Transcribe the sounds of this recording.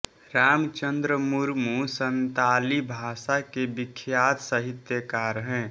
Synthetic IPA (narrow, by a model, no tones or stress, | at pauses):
ɾaːmt͡ʃənd̪ɾəmuɾmusənt̪aːlibʱaːsakebɪkʰːjaːt̪səɦɪt̪jəkaɾəɦɛ̃ː